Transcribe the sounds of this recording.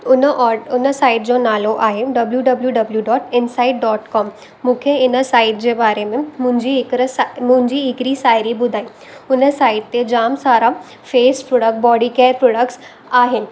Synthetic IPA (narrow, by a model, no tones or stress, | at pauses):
ʊnːʊnəsaːɪʈ̚d͡ʑonaːloʔaːɦeɖɐbljuɖɐbljuɖɐbljuɖɔːʈɪnsaːɪʈ̚ɖɔːʈkɔːmː | ũːkʰeɪnəsaːɪʈ̚d͡ʑeːbaːɾemẽmʊ̃ɦɪ̃ɲd͡ʑikɾmʊ̃ɦɪ̃ɲd͡ʑiɦɪkɾisaːɪɾibʊd̪ʱaːi | ʊnəsaːɪʈ̚t̪ːed͡ʑaːmsaːɾa | feːspɾoːɖək̚ʈbɔːɖikeːɾpɾoːɖəkʈs | aːɦɪnɪ̆